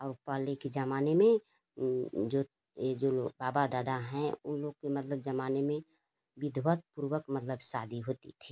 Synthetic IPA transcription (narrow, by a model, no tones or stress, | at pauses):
ɔːɾʊpaleked͡ʒəmaːnemẽ | d͡ʒo | d͡ʒobaːbad̪aːd̪aɦɛ̃ʊ̰nloɡkemət̪ləb̚d͡ʒəmaːnemẽ | ʋɪd̪ʱwət̪̚puːɾwəkmət̪ləbsaːd̪ʱiɦoːt̪ḭt̪ʰiː